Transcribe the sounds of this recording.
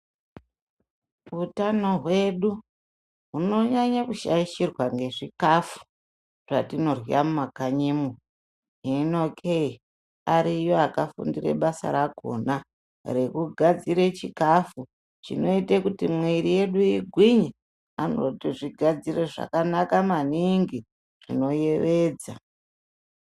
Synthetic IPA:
utano̞ɦwe̞ɗu | ɦuno̞ɲaɲakuʃaiʃirwaŋɡe̞ʐikafu̥ | ʐ̥atino̞rwiamumakaɲimu | ɦino̞kʰe | aɾijo̞akafṵndire̞̰ɓasa̰ɾaɡʱo̰ːna | re̞kuɡʱad͡ziɾe̞t͡ʃikafu | t͡ʃḭno̞itekutimwiɾije̞ɗujiɡʱwiɲi | ano̰tiʐiɡʱad͡zire̞ʐa̰kanakamaniŋɡi | ʐ̥ḭno̞je̞ʋe̞ːd͡za

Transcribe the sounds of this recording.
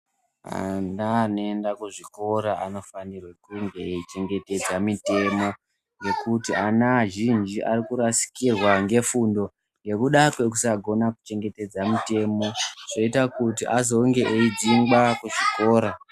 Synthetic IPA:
a̰nanoendakuʐiko̞ɾaʔa̰no̞fanirwe̞kuŋɡe̞ːit͡ʃe̞ŋɡe̞te̞d͡zamite̞mo̞ | je̞kutianaʒind͡ʒiʔarikuɾasi̥kirwaŋɡe̞fundo̞ | ŋɡe̞kuɗakwe̞k̬usaɡʱo̞naku̥t͡ʃe̞ŋɡe̞te̞d͡zamite̞mo̞ʐ̥oitakutiʔazo̞ŋɡe̞ʔeid͡ziŋɡakuʐiko̞ːɾa

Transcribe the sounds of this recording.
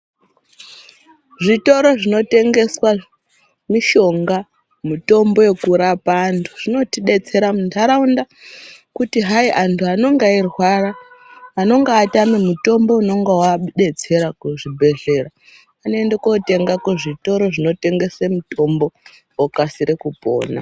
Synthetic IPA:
ʐito̞ɾo̞ʐino̞te̞ŋɡe̞swa | miʃo̞ŋɡa | muto̞mbo̞je̞kuɾapaːntʰuʐ̥ino̞tiɗe̞t͡se̞ɾamundʱaɾaunda | kutiɦaiʔantʰuano̞ŋɡairwaraː | no̞ŋɡaːtamemuto̞mbo̞uno̞ŋɡewaɗe̞t͡se̞ɾakuʐibʱe̞ɮe̞ːra | anoendekote̞ŋɡakuʐito̞ɾo̞ʐino̞te̞ŋɡe̞semuto̞mbo̞ | wokasiɾekupo̞̰ːna̰

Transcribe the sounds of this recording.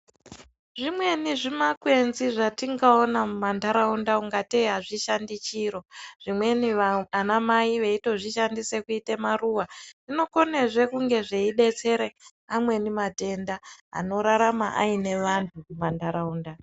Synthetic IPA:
ʐimwe̞niʐimakwe̞nziʐatiŋɡaonamandaɾaundauŋɡatiɦaʐiʃandit͡ʃiɾo̞ʐ̥imwe̞nianamaiʋe̞ito̞ʐiʃandise̞kuitemaruwaʐ̥ino̞ko̞ne̞ʐe̞kuŋɡe̞ʐeiɗe̞t͡se̞ɾe | amwe̞nimate̞ndaɦa̰no̞ɾaɾama̰ʔa̰ine̞ʋantʰuumandaɾauːnda

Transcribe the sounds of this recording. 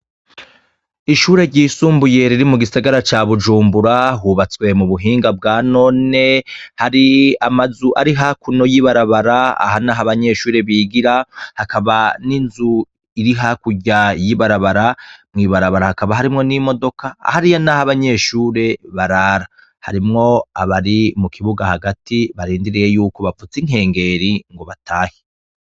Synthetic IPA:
iʃuːɾe̞ɾɟiːsuːmbuje̞ɾiɾimuɡisaɡaɾat͡ʃaːβud͡ʒuːmbuɾahuβat͡swe̞muβuɦiːŋɡabɡaːno̞ːne̞haɾiamazuʔaɾiɦakuno̞jiβaɾaβaɾaa̰hanaɦaβaɲe̞ʃuːɾe̞βiːɡiɾahakaβaninzu | iɾiɦakuɟajiβaɾaβaɾamŋiːβaɾaβaɾahakaβaɦaɾimŋo̞nimo̞do̞kʰaa̰haɾijanahaβaɲe̞ːʃuːɾe̞βaɾaɾa | ha̰ɾimŋo̞a̰βaɾimukʰiβuɡahaɡatiβaɾiːndiɾije̞juːko̞βafut͡siŋ̥e̞ːŋɡe̞ɾiŋɡo̞βatʰaːhi̥

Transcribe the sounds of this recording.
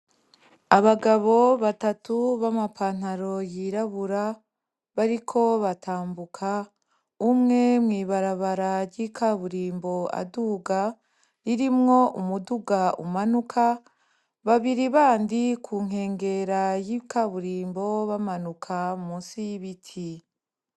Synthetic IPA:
aβaɡaβo̞βatatuβamapʰaːn̥aɾo̞jiɾaβuɾa | βaɾikʰo̞βatʰaːmbukʰa | umŋe̞mŋiːβaɾaβaɾaɾɟiːkʰaβuɾiːmbo̞a̰duɡa | ɾiɾimŋo̞ʔumuduɡaṵmanukʰa | βaβiɾiβaːndikʰuːŋ̥ɦe̞ːŋɡe̞ɾajikaβuɾiːmbo̞βamanukʰamusiβitʰi

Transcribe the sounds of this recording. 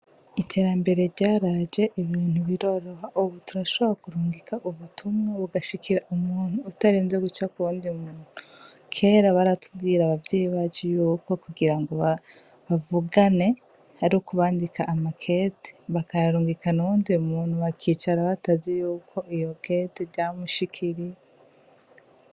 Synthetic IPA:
itʰe̞ɾambe̞ɾe̞ɾɟaːɾad͡ʒe̞ʔiβiːn̥huβiɾo̞ɾoɦaʔuβutuɾaʃoβɾakuɾuːŋɡikʰaʔuβutʰumŋaβuɡaʃikʰiɾaʔumuːn̥uːtaɾiːnzeɡut͡ʃakuβuːndiumuːnuukʰe̞ːɾaβaɾatub̚ɡiːɾaβavjeːjiβaːd͡ʒejuːko̞kuɡiɾaŋɡo̞βa | βavuɡane̞ | haɾikuβaːndikaʔːmakʰe̞te̥βakajaɾuːŋɡikʰanuβuːndiumuːn̥huβakʰiːt͡ʃaɾaβatazijuːkʰo̞ʔijo̞keteɾɟaːmuʃikʰiɾie

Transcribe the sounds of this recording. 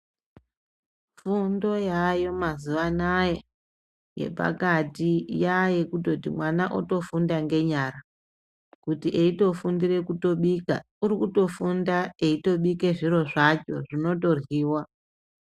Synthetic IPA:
fundo̞jajo̞mazuʋanaje | je̞̰pa̰katijaje̞kuto̞timwanaʔo̰to̞fundaŋɡe̞ɲara | kutiʔeito̞fundire̞kuto̞ɓika̰ | uɾikuto̞fundae̞ito̞ɓike̞ʐiro̞ʐat͡ʃo̞̰ʐino̞to̞rwiːwa

